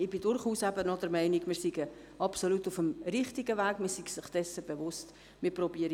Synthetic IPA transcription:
ɪb̥idʊɾχuːsæbənɔdɛɾmɛɪniɡmɪːɾsiɡə | ʔɑpsolutufəmɾɪχtiɡəvæːɡmɪsiɡ̥sɪχd̥ɛsəb̥evʊst | mɪprɔbiəɾi

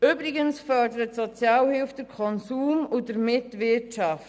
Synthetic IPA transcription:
ʏbɾɪɡənsfœɾdəɾətsɔt͡sjɑːlhɪlfd̥əɾkʰɔnsuːmʊdəɾmɪtvɪʃaft

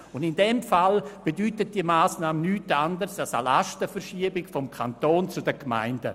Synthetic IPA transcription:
ʊndɪndɛmfalb̥edyːtət̚d̥iəmaːsnaːmənyːtandəɾsalsalastəfəɾʃiəbɪkfɔmkʰantoːnt͡sʊdəkma̰ɪndə

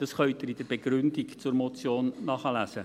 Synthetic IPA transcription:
d̥ɑsχœʏtɪɾid̥əɾb̥eɡɾʏndikt͡sʊɾmot͡sjoːnːɑːχəlæːsə

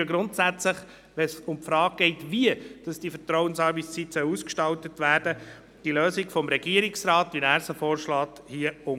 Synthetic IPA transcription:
ɡɾʊntsæt͡sləχ | ʋɛsʊmpfɾɑːɡ̚ɡ̥ɛɪtʋiəd̥ɑsd̥ifətɾɔwənsɑːɾbist͡sitsœwuːskʃtɑltətʋæːɾd̥ə | d̥iløːsikfɔmɾɛɡiəɾɪksɾɑːtʋinæːɾsəfoːɾʃlɑːt | hiəʊ

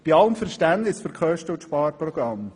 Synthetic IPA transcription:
b̥iɑləmfəɾʃtændnɪsfəɾkʰœʃtəətʃpɑːɾpɾɔɡ̥ɾɑm

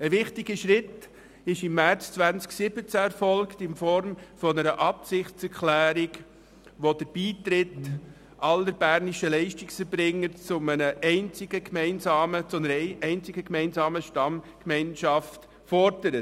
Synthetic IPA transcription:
əʋɪχtɪɡəʃɾɪt | ɪʃɪmːæɾt͡st͡svʋænt͡sksɪbət͡sæɛɾfɔlkt̪ɪnfɔɾmfɔnəɾəʔɑpsɪχtt͡sɛɾklæːɾɪk | ʋod̥əɾb̥iːt̪ɾɪt | ɑləɾb̥æːɾniʃəlɛɪʃtiksfəɾbɾɪŋːəɾt͡sʊmənəʔɛɪnt͡sɪɡəkmɛɪnsɑːmət͡sʊnəɾɛɪnt͡sɪɡəkmɛɪnzɑːməʃtɑmkmɛɪnʃɑft | fɔɾdəɾə

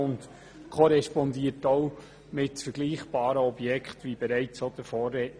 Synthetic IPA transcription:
ʊnt | kʰɔɾɛʃpɔnd̪iətow | mɪtfəɾɡ̥liːχb̥ɑːɾəɔbjɛkχtʋibɛɾæɪt͡sod̥̪əfɔːrɛ

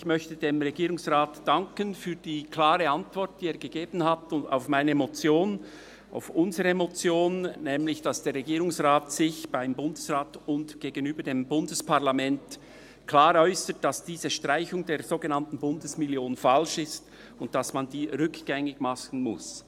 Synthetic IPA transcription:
ɪçmœçtədeːmʁɛɡiːʁʊŋsʁaːtd̥aŋkənfyːd̥iːkʰlaːʁəantv̥ɔɾt̚d̥iːeːɐɡ̥əɡ̥eːb̥ən̩hatʊa̰ʊfmaɪnəmot͡sjoːn | a̰ʊfʔʊnzəʁəmot͡sjoːnːɛːmlɪçd̥asd̥eːɾʁɛɡiːɾʊŋsʁaːtsɪçb̥aɪmbʊndəsʁaːtʊntɡ̥eːɡənyːbədeːmbʊndəspaʁlamɛnt | kʰlaːɾɔʏsət̚d̥asd̥iːzəʃtʁ̥aɪçʊŋdeːɐzoːɡənaɑntn̩bʊndəsmɪljoːnnfalʃɪst | ʊnt̚d̥asmandiːʁʏkɡ̥ɛŋɪɡmaχn̩mʊ̰s

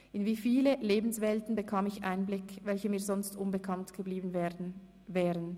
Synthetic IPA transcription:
ʔɪnviːfiːləleːbn̩svɛltn̩bəkʰaːmɪçʔa̰ɪnblɪkvɛlçəmiːɐzɔnstʔʊnbəkʰantɡ̥əbliːbn̩ | vɛːʁən

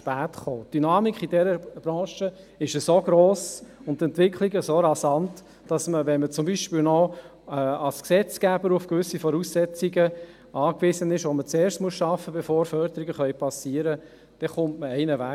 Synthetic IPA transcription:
pæːtχoːtd̥ynɑːmikχid̥ɛɾəb̥ɾɑ̃ːʃə | ɪʃəsoɡɾoːsʊntɛntʋɪkχliɡəsoɾɑsɑnt | d̥ɑsməʋɛnmət͡sʊmbiːʃpɪːlnɔ | ɑlsksɛt͡skæbəɾufkʋʏsːifɔɾuːssɛt͡siɡə | ɑːkʋɪsənɪʃʋomət͡seːɾstmuəsʃɑfəbefoːɾfœɾdəɾiɡəχœʏpʰɑsiːəɾə | d̥ɛχʊmtməɛɪnəvæ

